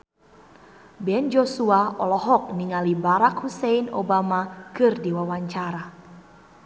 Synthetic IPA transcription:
bɛnd͡ʒosuaɔlɔɦɔk̚niŋalibaɾakhusɛinɔ̰bamakɨrdiwawaɲt͡ʃaɾa

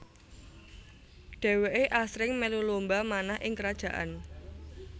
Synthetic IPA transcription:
ɖ̥ɛ̤weʔeʔasɾɪŋmelulombamanahʔɪŋkəɾad̥ʒ̥ä̤ʔa̰n

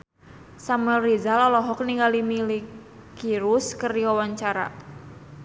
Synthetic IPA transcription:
samɛlrizalɔlɔɦɔk̚niŋɡalimilik | kiɾuskərdiwawaɲt͡ʃaɾa̰

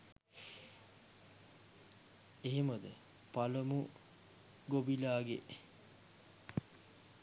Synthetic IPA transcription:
eɦimɐd̪ə | paləmu | ɡobilaːɡḛʔ

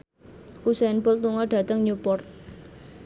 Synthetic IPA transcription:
kusɛnbɔlt̪uŋɔɖ̥a̤t̪əŋɲupɔrt̪̚

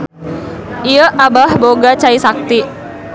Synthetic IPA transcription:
ʔiəʔabahboɡat͡ʃaisak̚t̪i

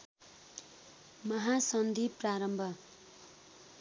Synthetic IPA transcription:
mʌɦasʌnd̪ʱipraɾʌmbʱʌ

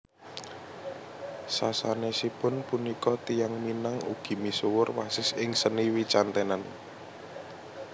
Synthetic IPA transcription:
sasanesipʊnpunikɔt̪ijaŋminaŋṵɡ̥i̤misuwʊrwasɪsɪŋsəniwit͡ʃant̪ɛnan

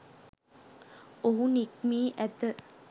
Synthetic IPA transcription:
oɦunik̚miːʔæt̪ə

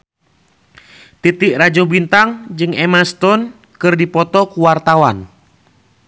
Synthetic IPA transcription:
t̪it̪ɪʔrad͡ʒɔbint̪aŋd͡ʒɨŋɛmast̪ɔn | kɨrdipɔt̪ɔkuwart̪awan

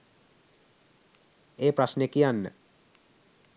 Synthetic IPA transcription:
epɾaʃnekianːḛ

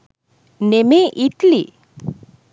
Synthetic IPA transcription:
nemeʔit̪li

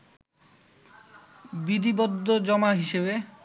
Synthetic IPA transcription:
bid̪ibod̪ʱːod͡ʑɔmaɦiʃebe

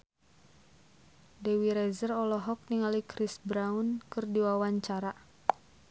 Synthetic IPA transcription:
dewiɾɛzərɔlɔɦɔk̚niŋalikɾisbɾaunkɨrdiwawaɲt͡ʃaɾa

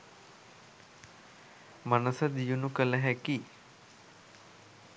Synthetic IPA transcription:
manəsəd̪ijunukələɦæki

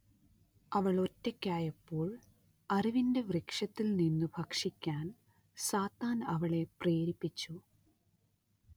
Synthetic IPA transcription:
ɐʋɐɭo̞tːekʲːaːjɐpːo̞ːɭ | ɐriʋinde̞ʋrikʂɐt̪ːilninːɨbʱɐkʂikʲːaːn | saːt̪ːaːnɐʋɐɭe̞preːɾipːit͡ɕːu

